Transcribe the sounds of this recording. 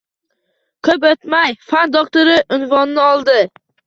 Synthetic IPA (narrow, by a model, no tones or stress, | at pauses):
kʰɵpɵt̪majfand̪okt̪oɾɪʔʊnvɒnnɪɒlˠd̪ɪ